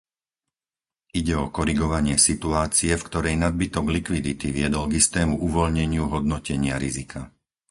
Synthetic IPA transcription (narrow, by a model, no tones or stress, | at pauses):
ʔiɟɛɔkɔɾiɡɔʋaɲɪɛsit̪uaːt͡siɛfkt̪ɔɾɛjnad̪̚bit̪ɔɡlikʋid̪it̪iʋɪɛd̪ɔlɡist̪ɛːmuʔuʋɔlɲɛɲɪuɦɔd̪nɔcɛɲɪaɾizikʰa